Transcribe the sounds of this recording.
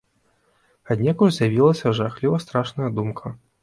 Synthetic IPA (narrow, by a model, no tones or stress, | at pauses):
ad̪ʲnʲɛkurzʲjavʲilˠɐsʲɐʐaxlʲivɐst̪ɾaʂnɐjɐd̪umkʰɐ